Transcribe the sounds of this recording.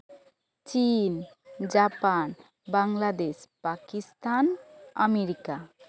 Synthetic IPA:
t͡ʃin | d͡ʒapan | baŋlad̪espakist̪anəmeɾika

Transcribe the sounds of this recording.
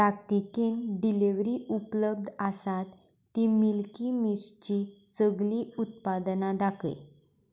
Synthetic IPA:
t̪ak̚t̪ikenɖileʋɾiːʔupləb̚d̪asat̪ː | imilkimist͡ɕisəɡliːut̪̚pad̪nad̪akə̰j

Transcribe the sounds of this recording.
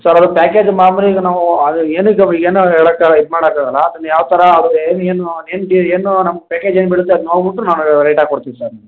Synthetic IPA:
sɐɾɐd̪upaːkeːd͡ʒmaːmɾiɡɐnaːʋuɐd̪ueːnuiɡɐiɡeːnuɛɭɐkːaid̪maːɽaːkaɡɐlːɐːd̪ɐnːɐjaːʋɐt̪ɐɾɐːd̪ueːnueːnuneːnʈieːnunɐmːɐɡɐpaːkeːd͡ʒenːbiɽut̪ːeɐd̪unoɽbiʈːunaːnɾeːʈaːɡkoɽt̪iːʋisɐɾ

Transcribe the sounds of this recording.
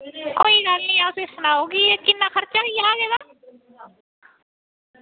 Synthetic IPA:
koːidaːlniaʊsesʊnaːoɡiekɪnːaxəɾt͡ʃaijaːɡeda

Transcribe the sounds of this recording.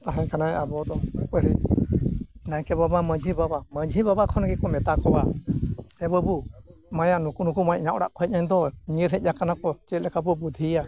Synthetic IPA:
t̪aɦɛɲkanajabɔd̪ɔpəɾi | najkɛbabaməd͡ʒibabaməd͡ʒʱibabakʰɔnɡɛkɔmɛt̪akɔba | ɛbəbumajaʔnukunukumajɲawɽa̰ʔkɔɦɛc̚naɲd̪ɔɲiəɾɦɛc̚ˀɲakanakɔt͡ʃɛt̪lɛkabɔbud̪ʱia

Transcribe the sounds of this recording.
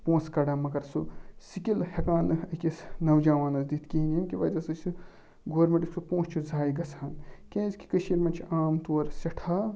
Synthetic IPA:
põːskɐɽaːmɐkɐɾsusikilhɐkãːnɐkʲisnɐwd͡ʒaːʋaːnɐsd̪it̪ʰkiinʲinkʲiʋɐːzɐsɐsu | ɡoːɾmeʈiksupõːst͡ʃʰuzʱaːjɡɐt͡sʰaːnkʲẽzki̥kəʃiːɾmɐnt͡ʃʰiaːmt̪uɐɾsɐʈʰaː

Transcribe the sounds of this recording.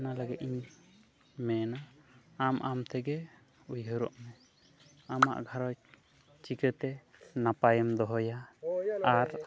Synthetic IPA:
nalaɡɛt̪iɲ | mɛnaamʔamt̪ʰɛɡɛ | ujɦəɾɔ̰ʔmɛ | ama̰ʔɡʱaɾɔj | t͡ʃikət̪ɛnapajɛmd̪ɔɦɔja | aɾ

